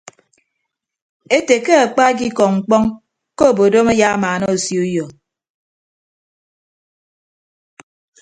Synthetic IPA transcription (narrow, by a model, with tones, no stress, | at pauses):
e˦te˨ke˦a˨k͡pa˦ɡ̬i˦kɔ˨ŋ͡m̩˨k͡pɔ˦ŋ | ko˦˨bo˨do˦me˦ja˦maː˨nɔ˦o˨sjo˦jɔ˨